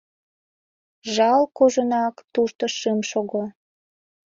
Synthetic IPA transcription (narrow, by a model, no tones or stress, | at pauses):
ʒɑlkoʒonɑkt̪uʃt̪əʃɨmʃoɣo